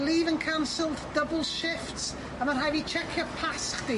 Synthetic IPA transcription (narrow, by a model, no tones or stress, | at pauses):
liːvə̃nkʰansəlˠtd̥əbəl̩ˠz̥ʃɪfts | ə̃məɾɦajvit͡ʃʰɛkʰjəpʰasχdi